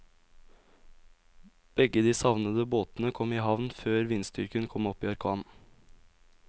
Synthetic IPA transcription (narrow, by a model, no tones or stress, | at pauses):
b̥ɛɡəd̪iːsɑʋnəd̪əboːt̪n̩əkʰɔmiːhɑʋnføːɾʋinst̪ʏ̰ɾkənkʰɔmɔpiːɑɾkʰɑːn